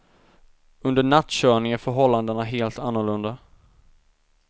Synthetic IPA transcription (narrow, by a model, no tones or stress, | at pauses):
ɵnd̪əɳat̪ːɕœːɳɪŋæɾfœɾɦɔlːand̪ənaɦeːlt̪anːʊɭɵnd̪a